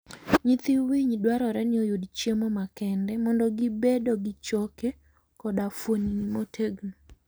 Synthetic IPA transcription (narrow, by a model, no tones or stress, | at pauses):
ɲit̪iwiɲdwaɾɔɾɛnɪojudt͡ʃjemɔmakɛndɛmɔndɔɡɪbedɔɡɪt͡ʃɔke | kɔdafoninimotʰeɡno